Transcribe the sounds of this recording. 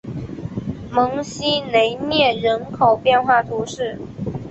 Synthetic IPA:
mɤ˧˥ŋɕi˥ne˧˥ɪnjɛ˥˩ɻə˧˥nkʰo˨˩ʊpjɛ˥˧nxwa˥˩t̪ʰu˧˥ʂɻ̩˥˩

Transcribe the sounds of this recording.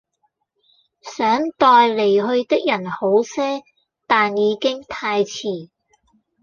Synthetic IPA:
sœː˨˥ŋt̪ɔː˧jle˨˩jɦɵ˧ɥt̪ɪ˥k̚jɐ˨˩nho˨˥wsɛː˥ | t̪aː˨njiː˨˧kɪ˥ŋt̪ʰaː˧jt͡sʰiː˨˩

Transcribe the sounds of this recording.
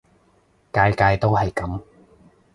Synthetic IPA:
kaː˧jkaː˧jt̪o˥wɦɐ˨jkɐ˨˥m

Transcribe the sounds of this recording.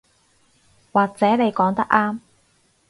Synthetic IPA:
waː˨˩k̚t͡sɛː˨˥ne˨˧jkɔː˨˥ŋt̪ɐ˥k̚ʔaː˥m

